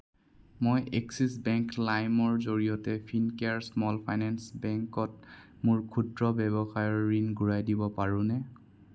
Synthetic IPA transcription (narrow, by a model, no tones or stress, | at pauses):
mojʔɛksisbɛŋklajmɔɹzoɹijɔtɛpʰinkeaɹsmɔlpʰajnɛnsbɛŋkɔt̚ | mʊɹkʰudɹɔbɛbɔxajɔɹːinɡuɹajdibɔpaɹʊ̃nɛ